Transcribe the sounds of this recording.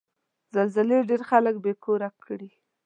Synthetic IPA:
zalzɪleɖeɾxalək̚bekoɾakʰːɽi

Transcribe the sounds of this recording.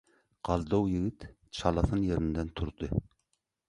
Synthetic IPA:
qɑlˠd̪owjiɡʲɪt̪ | t͡ʃʰɑlˠɑθɨnjeɾɪnd̪ɛnt̪ʰuɾd̪ɨ

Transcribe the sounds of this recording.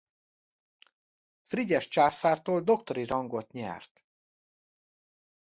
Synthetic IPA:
friɟɛʃt͡ʃaːsaːrt̪oːld̪o̞kt̪o̞ɾiɾɒŋɡo̞t̪ɲɛ̰rt̪

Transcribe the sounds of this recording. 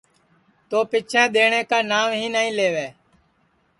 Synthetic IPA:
t̪oːpɪt͡ʃʰɛ̃ːɗ̪eːɳẽːkaːnaːʋɦĩːnəĩːleːʋeː

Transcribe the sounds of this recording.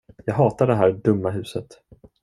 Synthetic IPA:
jɑːɡɦɑːt̪aɖɛɦæːɾɖɵmːaɦʉ̟ːsət̪

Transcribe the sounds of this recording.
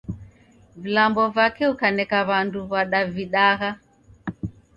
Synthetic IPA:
vilambɔvakɛukanɛkaβanduβaɗaviɗaɣa

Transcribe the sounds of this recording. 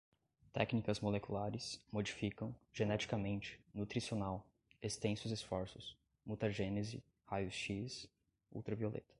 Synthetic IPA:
t̪ɛknikɐzmolekulaɾɪsmod͡ʒifikɐ̃w̃ʒ̥enɛt͡ʃi̥kɐmẽnt͡ʃɪ̥nut̪ɾisionaw | est̪ẽsʊzesfɔɾsʊs | mut̪aʒenezɪ̰ | hajʊsʃis | ṵwt̪ɾɐviolḛt̪ɐ̥

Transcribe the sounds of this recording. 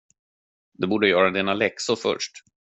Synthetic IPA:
d̪ɛbuːɖəjœːɾad̪eːnalɛksʊfœ̰ʂʈ

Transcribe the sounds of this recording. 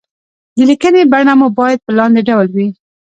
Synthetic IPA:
d̪əlikənebaɳamubɑjad̪̚pəlɑnd̪eɖawlwi

